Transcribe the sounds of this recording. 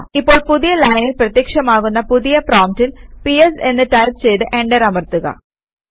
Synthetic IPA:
ipːo̞ːɭpuðijɐlɐjnilprɐt̪jɐkʂɐmaːɣunːɐpuðijɐproːmtilpiese̞nːɨʈɐjst͡ɕe̞jt̪ɨʔe̞ɳɖɐɾɐmɐrt̪uɣɐ̰

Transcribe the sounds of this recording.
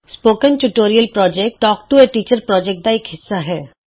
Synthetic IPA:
spoːkə̃nʈuʈoːɾijəlpɾɔːd͡ʒɛk̚ʈʈɔːkʈueʈiːt͡ʃəɾpɾɔːd͡ʒɛk̚ʈ̚d̪aeːkɦɪsːaɦɛː

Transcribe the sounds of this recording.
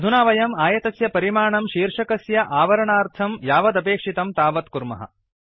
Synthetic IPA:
ɐd̪ʱunaːʋɐjɐmaːjɐt̪ɐsjɐpɐɾimaːɳɐmʃiːɾʂɐkɐsjɐʔaːʋɐɾɐɳaːɾt̪ʰɐmjaːʋɐd̪ɐpeːkʂit̪ɐmt̪aːʋɐt̪kuɾmɐ̰ɦɐ̰

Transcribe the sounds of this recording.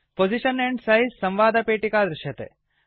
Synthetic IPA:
pod͡ʒiʃəneɳʈsɐɦisɐ̃mʋaːd̪ʱɐpeːʈikaːd̪ɾɪʃjɐt̪ḛ

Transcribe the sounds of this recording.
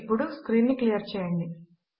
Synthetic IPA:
pːuɽuskɾiːnːɨklijɐrt͡ɕeːjaɳɖi

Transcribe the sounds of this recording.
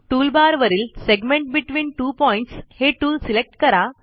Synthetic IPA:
ʈuːlbaːɾʋɐɾilseɡmẽɳʈ̚biʈʋĩːnʈuːpɔɪ̃ɳʈsheːʈuːlsilek̚ʈkɐɾa

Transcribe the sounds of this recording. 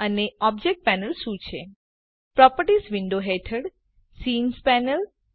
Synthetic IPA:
əneɔb̚d͡ʒek̚ʈ̚pɛnəlʃũt͡ʃʰḛ | pɾɔpəɾʈisʋɪɳɖoɦeʈʰəɽ | sinspɛnəl

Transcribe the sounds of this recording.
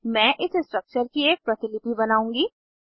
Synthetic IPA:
mɛ̃ːʔɪssʈɾɐk̚t͡ʃəɾkieːk̚pɾɐt̪ɪlɪpibɐnaːũːŋɡiː

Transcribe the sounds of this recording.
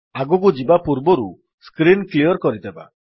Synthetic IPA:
aɡɔkud͡ʒibapuɾbɔɾu | skɾinklijɔɾkɔɾid̪eba̰

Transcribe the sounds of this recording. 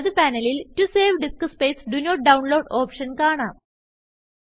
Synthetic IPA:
ɐðɨpænɐliltuseːʋɖiskɐspeːsɖunoːʈ̚ɖɐwnloːɖoːpʂɐnkaːɳaːm

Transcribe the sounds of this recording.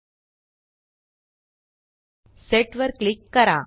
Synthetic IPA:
seʈʋɐɾkɭikːɐɾã̰ː

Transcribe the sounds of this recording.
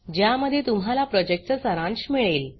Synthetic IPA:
d͡ʑjaməd̪ʱːjet̪umɦalapɾɔd͡ʑek̚ʈt͡səsəɾãnɕmiɭeːl

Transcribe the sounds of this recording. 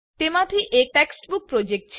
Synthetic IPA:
ʈ̪emaʈ̪ʰiʔeʈɛksʈbuk̚pɾod͡ʑek̚ʈt͡ɕʰ

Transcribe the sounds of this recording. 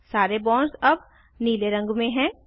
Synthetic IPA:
saːɾebɔ̃ːnsɐb̚ | niːleɾɐ̃ŋɡmẽɦɛ̃ː

